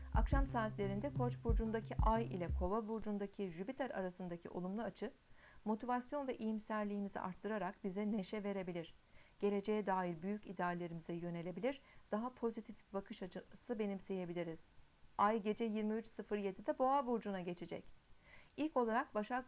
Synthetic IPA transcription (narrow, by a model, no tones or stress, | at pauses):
a̰kʃamsaːt̪lʲe̞ɾind̪ɛkʰo̞t͡ʃbuɾd͡ʒund̪acʰiʔajḭlʲɛkʰo̞vabuɾd͡ʒund̪acʰiʒypit̪ʰæɾa̰ɾasɯnd̪acʰḭʔo̞̰lˠumlˠuat͡ʃʰɯ | mo̞t̪ʰivasjo̞nvɛʔijimsæɾlʲiːmizḭʔa̰ɾt̪ʰːɯɾaɾakbizɛne̞ʃɛve̞ɾe̞bilʲiɾ̥ɟ̥e̞lʲe̞d͡ʒe̞jɛd̪aːjiɾbyjycid̪eaːlʲe̞ɾimizɛjø̞ne̞lʲe̞bilʲiɾd̪̥aɦapʰo̞zit̪ʰifbakʰɯʃat͡ʃɯsɯbe̞nimse̞je̞bilʲiɾiz̥ | ajɟe̞d͡ʒɛjiɾmiyt͡ʃsɯfɯɾje̞d̪id̪ɛbo̞abuɾd͡ʒunaɟe̞t͡ʃʰed͡ʒɛ̰c | ilʲco̞lˠaɾakbaʃa